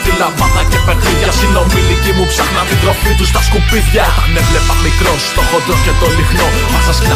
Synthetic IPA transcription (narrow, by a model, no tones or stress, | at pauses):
t̪ilɐvɐðɐcepeɾðiʝɐsino̞milicimupsɐxnɐðiðɾo̞fit̪ust̪ɐskupiθçɐt̪ɐnevle̞pɐmikɾo̞st̪o̞xot̪ɾoscet̪o̞lixno̞ | mɐsɐs